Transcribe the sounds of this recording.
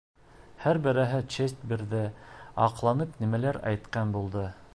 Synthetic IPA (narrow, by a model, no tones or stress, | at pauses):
hæɾbɘ̆ɾæɦɘt͡ʃest̪biɾðɘɑqlˠɑnɤpnimælæɾæ̰jt̪qɑnbulˠd̪ɤ